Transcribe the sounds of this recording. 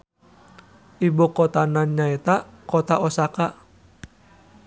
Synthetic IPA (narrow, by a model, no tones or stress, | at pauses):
ʔibokɔt̪ananɲaɛt̪a | kɔt̪aʔɔsaka